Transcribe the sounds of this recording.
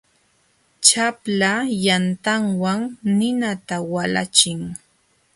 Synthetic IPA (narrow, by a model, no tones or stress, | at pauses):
t͡ʃaplajant̪aŋwaŋnɪnat̪awala̰t͡ʃɪŋ